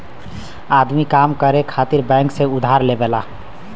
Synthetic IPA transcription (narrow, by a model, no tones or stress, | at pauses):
ad̪mikamkəɾekʰat̪iɾbɛ̃ŋksẽud̪ʱaɾlebela